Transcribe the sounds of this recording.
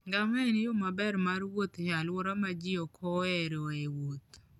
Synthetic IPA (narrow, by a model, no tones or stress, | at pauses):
ŋɡaŋɛɛnɪjomabɛɾmarwot̪ɲalwoɾamad͡ʒiɔkʰɔɛɾoewot̪